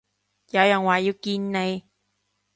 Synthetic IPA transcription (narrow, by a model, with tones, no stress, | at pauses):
jɐ˨˧wjɐ˨˩ŋwaː˨˩ji˧wkiː˧nne˨˧j